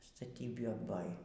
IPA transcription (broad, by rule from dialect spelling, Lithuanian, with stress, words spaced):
stɐˈtʲiːbʲɪ ˈboːj